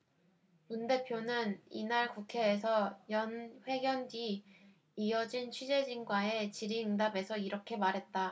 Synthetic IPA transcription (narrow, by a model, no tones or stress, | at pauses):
munde̞pʰjonɯnḭnaɭkukʰe̞ːsʰʌjʌnɸwe̞ɡjʌndiː | ʌd͡ʑint͡ɕʰɥid͡ʑe̞d͡ʑinɡwae̞t͡ɕiɾiɯŋdabe̞sʰʌiɾʌkʰe̞maɾɦe̞t̚t͈a